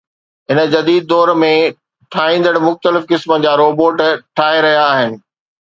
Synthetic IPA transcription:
ɪnə̆d͡ʑɐd̪iːd̪̚ːɔːɾmẽ | ʈʰaːɦĩːn̆d̪əɽmʊxt̪əlɪfkɪsməd͡ʑaːɾoːboːʈʈʰaːɦeɾɐɦijaːɦɪnɪ̆

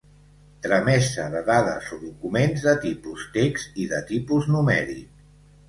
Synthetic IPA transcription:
t̪ɾəmɛsəðəðaðə̰soðukumenzðət̪ipust̪eksiðət̪ipuznumɛɾḭk

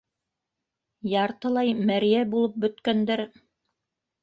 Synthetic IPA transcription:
jɑɾt̪ɤ̆lˠɑjmæɾjæbulˠɤp̚bɵ̆t̪kænd̪æɾ

